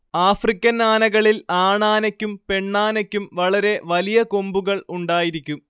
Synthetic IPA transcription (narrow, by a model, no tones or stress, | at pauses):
aːfrikʲːɐnaːnɐɣɐɭilaːɳaːnɐkʲːumpe̞ɳːaːnɐkʲːumʋɐɭɐɾe̞ʋɐlijɐko̞mbuɣɐɭuɳɖaːjiɾikʲːum